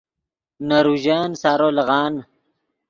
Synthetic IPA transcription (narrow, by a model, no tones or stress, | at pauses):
naɾuʑaːnsaːɾoːlɐɣɑːn